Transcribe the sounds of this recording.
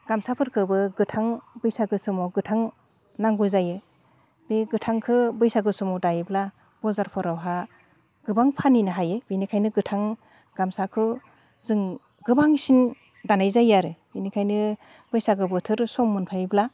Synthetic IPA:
ɡ̥amsapʰɯɾkʰɯbɯɡɯtʰaŋbɯjsaɡɯsɯmɔɡɯtʰaŋ | naŋɡuzajɯ | beɡɯtʰaŋkʰɯbɯjsaɡɯsɔmɔwdajibla | b̥ɔzaɾpʰɔɾawɦa | ɡ̥ɯbaŋpʰaninɯɦajɯbinikʰajnɯɡɯtʰaŋ | ɡ̥amsakʰɯ | zɯŋ | ɡɯbaŋsin | danajzajaɾɯb̥inikʰajnɯ | b̥ɯjsaɡɯbɯtʰɯɾsɔmːɯnpʰajbla

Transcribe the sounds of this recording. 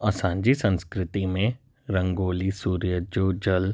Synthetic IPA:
ɐsãːɲd͡ʒisə̃nskɾɪt̪imẽ | ɾɐ̃ŋɡoːlisuːɾijəd͡ʒoːd͡ʒɐl

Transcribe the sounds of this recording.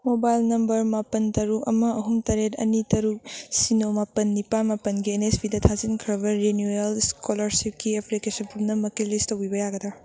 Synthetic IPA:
mobajlnɐmbɐɾmapɐntɐɾukɐ̰mɐɐɦumtɐɾetɐ̰nitɐɾuk̚sinomapɐnːipamapɐnɡienespidɐtʰazinkʰɾɐbɐɾenjuelskʰolɐɾsip̚kiepʰlikesɐnpʰupnɐmɐkelistɐwibɐjaɡɐdɐ

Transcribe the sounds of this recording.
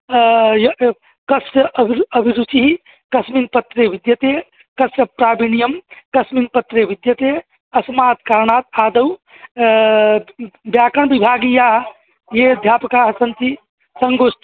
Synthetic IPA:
j | kɐsɐʔɐbʱiɾut͡ʃiɦi | kɐsminpɐt̪ːɾeʋid̪jɐt̪e | kɐsjɐpɾaːbinijəmkɐsminpɐt̪ɾeʋid̪jɐt̪e | ɐsmaːt̪kaːɾɳaːt̪aːd̪ɐw | bjaːkəɳ̃bibʱaːɡijaɦ | jed̪ʱjaːpɐkaɦsɐnt̪i | sɐŋɡoːst̪

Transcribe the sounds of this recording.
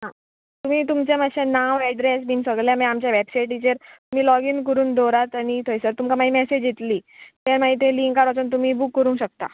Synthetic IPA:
ɦã | t̪um̤iːt̪̬umt͡ɕẽməɕẽnaʋɛɖɾesmiːnsəɡɭljamɛ̃amt͡ɕjaʋɛbsajʈit͡ɕeɾt̪um̤iːlɔɡiːnkəɾuːnd̪oɾat̪añit̪ʰojsəɾt̪umkamaɦimɛsed͡ʑit̪liːt̪amaɦit̪̬ẽliŋkaɾat͡sont̪̬um̤iːbukːəɾũɕək̚t̪a̰

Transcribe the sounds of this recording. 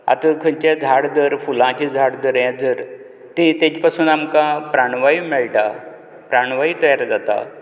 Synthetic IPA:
a̰t̪əkʰəɲt͡ɕad͡zʱaɽd̪əɾfulãt͡ɕid͡zʱaɽd̪əɾjãd͡zəɾ | t̪it̪et͡ɕpasuːnamkãpɾaɳ̃ʋaimɛɭʈa | pɾaɳ̃ʋait̪əjaɾad͡zat̪a̰

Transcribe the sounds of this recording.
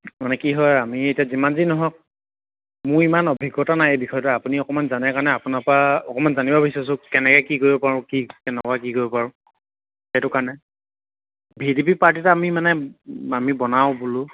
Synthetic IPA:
manɛkiɦɔjamiejtiazimanzinɔɦɔk̚ | mʊɹimanɔbʱiɡːɔtanajejbixʰɔjtɔapuniɔkɔmanzanɛkaɹɔnɛapunapaɔkɔmanzanibabisɔs̬ʊ̃kɛnɛkɛkikoɹibɔpaɹʊ̃kikɛnɛkɔak̬ikoɹibɔpaɹʊ̃ | xɛtʊkaɹnɛ | bʱidipipaɹtitamimanɛamibɔnaʊbulʊ

